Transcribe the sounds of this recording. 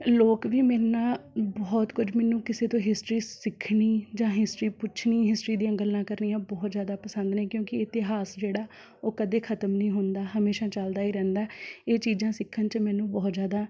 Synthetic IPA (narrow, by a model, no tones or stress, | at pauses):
loːkʋiːmɛːnãːbɔːt̪kʊd͡ʒmɛːnũːkɪseːt̪õːɦɪsʈɾiːsɪkʰɳiːd͡ʒãːɦɪsʈɾiːpʊt͡ʃʰniːɦɪsʈɾiːd̪ĩə̃ɡəlːãːkəɾniːãːbɔːt̪zjaːd̪aːpəsə̃nd̪nɛ̃ːkjõːkɪɪt̪ɪɦaːsd͡ʒeːɽaː | oːkəd̪eːkʰət̪əmnəĩːɦʊnd̪aːɦəmeːʃãːt͡ʃəld̪aːiːɾɛ̃ːnd̪aːeːt͡ʃiːd͡ʒãːsɪkʰːənt͡ʃəmɛ̃ːnũːbɔːt̪zjaːd̪ãː